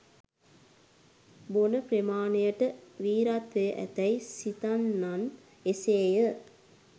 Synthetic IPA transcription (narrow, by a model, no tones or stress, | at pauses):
bonəpɾemaːnejəʈəʋiːɾat̪ʋejʔæ̰t̪ɐjsit̪anːan | eseːjə